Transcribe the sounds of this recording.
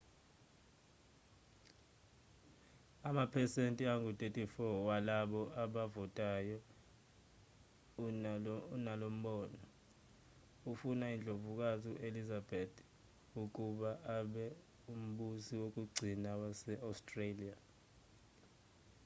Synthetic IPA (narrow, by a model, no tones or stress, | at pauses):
amapʰɛsentʼiaŋutʼetʼifɔwalaɓɔʔaɓavɔtʼajɔ | nalom̩ɓɔːnɔ | ufunaind͡ɮʱovuk̬aziʔelizabetʰ | uk̬ʼuɓaʔaɓɛ | um̩ɓusiwok̬ʼuɡ͡ǀʱinawasɛʔaustʼrelia